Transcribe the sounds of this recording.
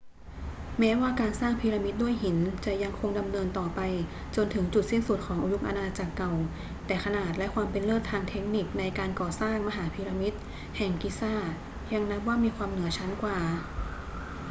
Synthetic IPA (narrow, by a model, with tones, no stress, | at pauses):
mɛː˦˥waː˥˩kaː˧nsaː˥˩ŋpʰiː˧ɾa˧mi˦˥t̪̚du˥˩əjhi˩˦nt͡ɕa˨˩ja˧ŋkʰo˧ŋda˧mnɤː˧nt̪ɔː˨˩pa˧j | t͡ɕo˧nt̪ʰɯ˩˦ŋt͡ɕu˨˩t̪̚si˥˩nsu˨˩t̪̚kʰɔː˩˦ŋʔu˧ju˦˥mʔa̰˧naː˧t͡ɕaː˨˩kːa˨˩w | t̪ɛː˨˩kʰa˧naː˨˩t̪̚lɛ˦˥kʰwaː˧mpe˧nlɤː˥˩t̪ʰːaː˧ŋt̪ʰe˦˥k̚ni˨˩k̚na˧jkaː˧nkɔː˨˩saː˥˩ŋma˧ɦaː˩˦pʰiː˧ɾa˧mi˦˥t̪̚ | hɛ˨˩ŋki˧˥saː˥˩t̪̚ | ja˧ŋna˦˥p̬̚waː˥˩miː˧kʰwaː˧mnɯ˩˦ɐt͡ɕʰa˦˥nkwaː˨˩